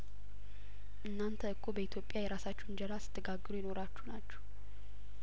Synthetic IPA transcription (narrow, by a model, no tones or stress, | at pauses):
ʔɨnːant̪ʰəɨkʰːobəit̪ʰjo̞pʼːjajɛɾasat͡ʃːɛnd͡ʒəɾasɨ̥t̪ʰːəɡaɡːɨɾujɪno̞ɾat͡ʃːunat͡ʃːɛ̥h